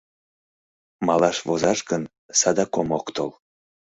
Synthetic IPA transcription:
mɑlɑʃvozɑʃkən | sɑd̪ɑkomokt̪ol

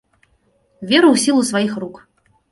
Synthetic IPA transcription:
vʲeɾɨwsʲilˠusvajixruk

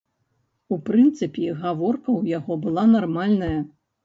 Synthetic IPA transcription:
upɾɨnt̪sɨpʲiɣavɔrkɐwjaɣɔbɨlˠanarmalʲnɐjɐ

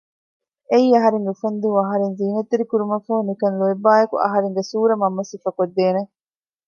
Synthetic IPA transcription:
eiːɐɦɐɾeŋɡeufɐnd̪iɐɦɐɾenziːnɐt̪ːeɾikuɾumɐfɐɦunikɐnloebːaːjɐkṵʔɐ̰ɦɐɾeŋɡesuːɾɐmɐmːɐsifɐkod̪ːeːne

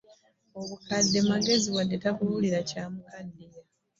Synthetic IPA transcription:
o̞βukadːe̞maɡe̞ziwadːetakululiɾacaːmukadːeja

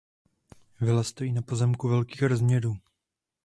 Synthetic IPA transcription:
vɪlast̪o̞jiːnapo̞zɛmkuvɛlkiːxɾozmɲɛɾuː

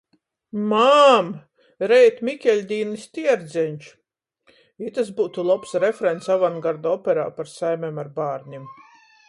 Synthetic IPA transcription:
mam | ɾɛjt̪mʲikʲɛlʲd̪ʲiːnist̪ʲiɛɾd̪zʲɛnʲt͡ʃ | it̪as̬buːt̪ulˠɔpsɾefɾɛnt̪savanɡaɾd̪ɔpʲɛɾaːpaɾsajmʲɛmaɾbaːɾɲʲim

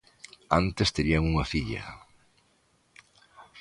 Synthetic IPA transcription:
ant̪est̪eɾiaŋuŋɐfiʎɐ̰

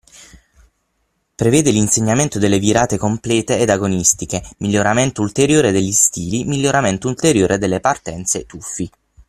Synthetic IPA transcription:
pɾeveːd̪elinseɲːament̪od̪elːeviɾaːt̪ekomplɛːt̪eːd̪aɡonist̪ikemiʎːoɾament̪oult̪eɾjoːɾed̪eʎːist̪iːlimiʎːoɾament̪oult̪eɾjoːɾʔed̪elːepart̪ɛnt̪set̪ufːi

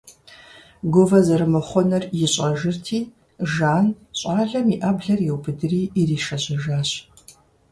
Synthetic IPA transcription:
ɡʷʊvɐzɐɾɨmɨχʷɔnɐrjɪɕʼɐʒɪrtʰiː | ʒaːn | ɕʼaːɮɐmiʔɐbɮɐrjɛwbɨdɨriːiriːʃɐɕʼɐʒaːɕ

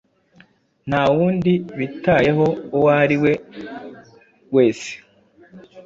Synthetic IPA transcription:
n̥hawuːndiβitajeɦo̞ːwaɾiwe̞ | we̞ːse̥

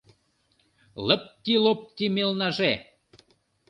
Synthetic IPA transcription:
ləp̚t̪ilop̚t̪imelnɑʒe

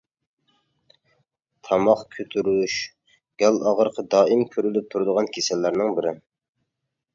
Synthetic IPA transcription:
t̪ʰɑmɑχkʲʰøt̪ʰyɾyʃ | ɡ̥ʲɛlʔɑʁəɾqʰɑd̪ɑːimkʲʰøɾylyp̚t̪ʰuɾd̪əʁɑnkʲʰesɛlːæɾnɪŋbɪɾɪ

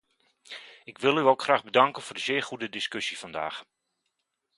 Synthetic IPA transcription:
ɪkʋɪlˠyowkχraːɣbədɑŋkənvʊːrdəzɪːɹχudədɪskøsifɑnda̰ːx

